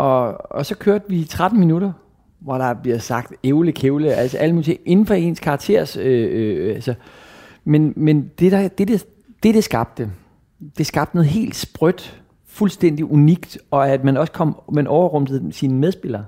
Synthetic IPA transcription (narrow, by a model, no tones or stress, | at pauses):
ʔɒ̽ɒ̽sɒ̽kʰøɐd̥əʋiːt͡sʰʁad̥n̩minuɾɐ | ʋɒɾ̥ɑ̈b̥liɐsɑ̈ɡ̥̚d̥eʊləkʰeʊləæl̰səʔæl̰əmuːlit͡sʰeŋʔe̝nn̩fɒ̽e̝nskʰɑ̈ɡ̥̚t͡sʰe̝̰ɐ̰søøælsə | menmend̥e̝d̥ɑ̈d̥e̝d̥e | d̥e̝d̥e̝sɡ̥ɑ̈b̥̚d̥ə | d̥e̝sɡ̥ɑ̈b̥d̥ənɔ̽ð̩ˠɦe̝̰ːld̥sb̥ʁœd̥ | fulsd̥en̰d̥iʔuniɡ̥d̥ɒ̽æd̥mænɒ̽skʰɒ̽m̰mænʔɒʊɐʁɔ̽m̰d̥ð̩ˠsinmeðˠsb̥e̝l̰ɐː